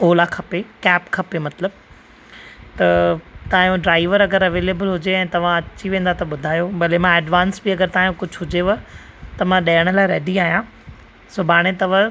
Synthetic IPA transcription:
oːlakʰɐpekɛːpkʰɐpemɐt̪ləb̚ | t̪ɐt̪aːjũɖɾaːɪʋəɾɐɡəɾɐʋeːleːbəlɦʊd͡ʑeɛ̃ːt̪ɐʋ̤ãɐt͡ɕiʋẽːn̆d̪at̪ɐɓʊd̪ʱaːjobɐlemãɛːɖʋãːnsbiɐɡəɾt̪aːjũkʊd͡ʑʱɦʊd͡ʑeʋɐ | t̪ɐmãɗɐːjəɽ̃əlaːɪɾeːɖiaːɦijã | sʊbʱaːɽ̃et̪ɐʋə

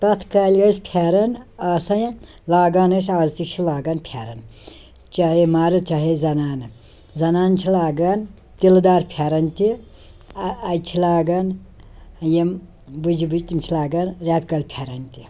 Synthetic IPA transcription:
t̪ɐt̪ʰkaːlʲɐspʰaɾɐnaːsɐj | laːɡaːnɐsaːzt̪it͡ʃʰilaːɡɐnpʰʲaɾɐn | t͡ʃɐɦimaːɾɨt͡ʃɐɦezɐnaːn | zɐnaːnt͡ʃʰilaːɡɐn | t̪ild̪aːɾpʰaːɾɐnʲt̪i | ɐjt͡ʃʰilaːɡɐn | jem | bud͡ʒibɨd͡ʒt̪imt͡ʃʰilaːɡɐnɾʲaːt̪kɐlʲpʲʰaːɾɐnt̪i

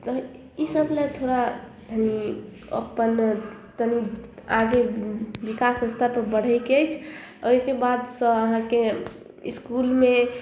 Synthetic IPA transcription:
t̪ɔ | isəblet̪ʰoɾa | d̪ʱəni | ə̰pːənt̪əniaɡebikasəst̪ʰapəɾbəɽ̤əɪkeəjt͡ʃʰoɦkebad̪sə̃əɦãke | ḭskulme

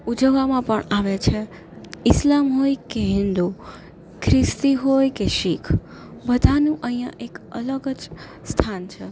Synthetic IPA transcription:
ud͡ʒəʋamãpəɳaʋet͡ʃʰe | ɪslamɦojkeɦɪ̃nd̪u | kʰɾɪst̪iɦojkeʃikʰ | bəd̪ʱanũʔəɦĩjãʔekələɡəd͡ʒ | st̪ʰant͡ʃʰe

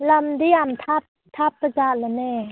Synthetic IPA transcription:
lamd̪iamt̪ʰap̚ | t̪ʰap̚ːat͡ɕalanɛ

